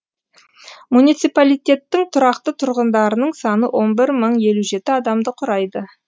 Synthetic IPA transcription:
munit̪sijpalijt̪ʲe̞t̪ːɪŋt̪ʰʊɾɑqt̪ət̪ʰʊɾʁənd̪ɑɾənəɴsɑnəwʔo̞nbɪɾməɴje̞luʒe̞t̪ɪɑd̪ɑmd̪əqʰʊɾɑjd̪ə

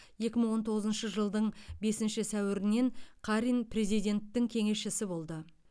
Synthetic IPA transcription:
je̞kʲɪməɴwo̞nt̪ʰo̞ʁəzənʃəʒəlˠd̪əɴbe̞sɪnʃɪsæwɪɾɪne̞ŋqʰɑɾinpʰre̞zijd̪ʲe̞nt̪ːɪŋkʲʰe̞ŋe̞sʃɪsɪbo̞lˠd̪ə

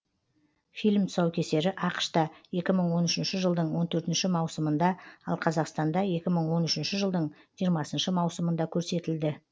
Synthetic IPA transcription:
fijlʲmsɑwkʲʰe̞se̞ɾɪʔɑqʃt̪ɑje̞kʲɪməɴwo̞nʏʃɪnʃɪʒəlˠd̪əɴwo̞nt̪ʰɵɾt̪ɪnʃɪmɑwsəmənd̪ɑɑ̰lˠqʰɑzɑqst̪ɑnd̪ɑje̞kʲɪməɴwo̞nʏʃɪnʃɪʒəlˠd̪əɴʒijəɾmɑsənʃəmɑwsəmənd̪ɑkʲʰɵɾse̞t̪ɪld̪ɪ

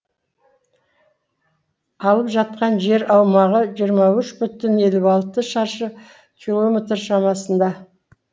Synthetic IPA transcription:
ɑlˠəpʒɑt̪̚qɑnʒe̞ɾɑwmɑʁəʒijəɾmɑʏʃbʏt̪ɪne̞lɪɑlˠt̪əʃɑɾʃə | kʲʰilˠo̞mʲet̪rʃɑmɑsənd̪ɑ

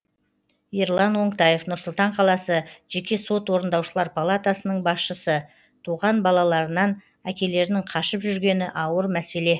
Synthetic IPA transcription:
eɾlˠɑnwo̞ɴt̪ɑje̞fnʊɾsʊlˠt̪ɑɴqʰɑlˠɑsəʒ̥e̞kʲe̞so̞t̪wo̞ɾənd̪ɑwʃəlˠɑɾpʰalˠat̪asənəɴbɑsʃəsə | t̪ʰuʁɑnbɑlˠɑlˠɑɾənɑn | ækʲe̞le̞ɾnɪŋqʰɑʃəpʒʏɾɡʲe̞nɪʔɑwəɾmæse̞le̞

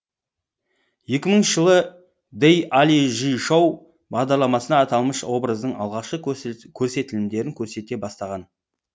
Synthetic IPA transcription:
je̞kʲɪməɴʒəlˠə | d̪ejaliʒijʃow | bɑʁd̪ɑɾlˠɑmɑsənɑːt̪ɑlˠməʃwo̞bɾəzd̪əɴɑ̰lˠʁɑʃqəkʲʰɵɾse̞t̪ɪlɪmd̪e̞ɾɪŋkʲʰɵɾse̞t̪e̞bɑst̪ɑʁɑn

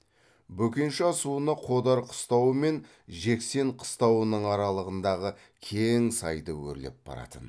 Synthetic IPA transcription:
bɵkʲenʃɪɑsuənɑqʰo̞d̪ɑɾqʰʊ̥st̪ɑwəme̞n | ʒe̞kse̞ɴqʰə̥st̪ɑwənəɴɑɾɑlˠəʁənd̪ɑʁə | kʲʰe̞ŋsɑjd̪əwɵ̰ɾle̞̰p̚b̥ɑ̰ɾɑ̰t̪ən

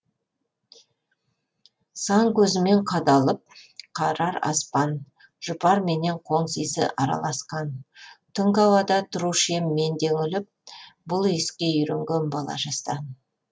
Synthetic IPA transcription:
sɑŋkʲʰɵzɪme̞ɴqʰɑd̪ɑlˠəp̚qʰɑɾɑɾɑ̰spɑn | ʒ̥ʊpɑɾme̞ne̞ɴqʰo̞ɴsijsɪ̰ʔɑɾɑ̰lˠɑsqɑnt̪ʰʊŋkɑwɑd̪ɑt̪ʰʊɾuʃe̞mːe̞nd̪e̞ŋʏlɪp̚bʊlˠeskʲe̞jʏɾeŋɡʲe̞nbɑlˠɑ̰ʒɑst̪ə

